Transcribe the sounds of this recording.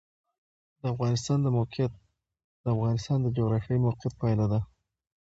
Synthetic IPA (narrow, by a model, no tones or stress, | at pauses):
d̪̥əafɣɑnɪst̪ɑnd̪əmawqɪjat̪̚ | d̪̥əafɣɑnɪst̪ɑnd̪əd͡ʒoɣɾɑfjɑimawqjat̪̚pajlad̪a